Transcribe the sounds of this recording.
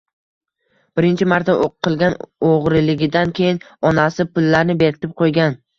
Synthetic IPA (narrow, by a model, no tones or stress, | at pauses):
b̥ɪɾɪnt͡ʃʰɪmaɾt̪aʔoqʰːɨlˠɡʲanoʁɾɪlɪɡʲɪd̪ankʲʰe̞jɪnɒnasɪpʊlːaɾnɪbe̞ɾɪt̪ʰɪp̚qʰojɡʲan